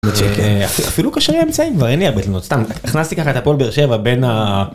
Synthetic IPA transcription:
mett͡ʃekeafia̰filukaʃaʁimemt͡saimkvaʁenieʁbet̪lenot̪st̪amiχnast̪ikaχae̞t̪hapolbeeʁʃe̞vabe̞na

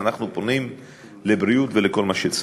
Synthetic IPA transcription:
anaχnupo̞nim | lebɾijutveleko̞lmaʃet͡s

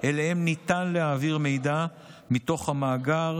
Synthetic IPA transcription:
ʔelehe̞mnit̪anlehaːviʁme̞jd̪a | mit̪o̞χhamaːɡaʁ

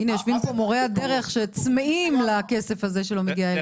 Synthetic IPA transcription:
inejoʃvimpomo̞ʁead̪e̞ʁe̞χʃet͡smeʔimlake̞se̞faze̞ʃelo̞meɡiae

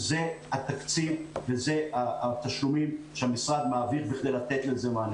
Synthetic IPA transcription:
zehat̪akt͡sivvezeaat̪aʃlumimʃeamisʁad̪maːviχbiχd̪ejlat̪et̪lezeman

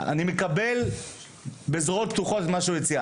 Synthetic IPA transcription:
a̰nimekabe̞l | beːzʁo̞t̪̚p̚t̪uχo̞t̪et̪maʃeujet͡sia

